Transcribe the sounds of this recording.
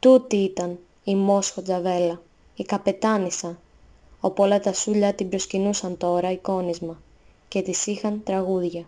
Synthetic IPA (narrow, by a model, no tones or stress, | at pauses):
t̪ut̪iit̪ɐn | imo̞sxo̞d͡zɐve̞lɐ | ikɐpe̞t̪ɐnisɐn | o̞puo̞lɐt̪ɐsuʎɐt̪ibɾo̞scinusɐnt̪o̞ɾɐiko̞nizmɐ | ce̞t̪isixɐnt̪ɾɐɣuðʝɐ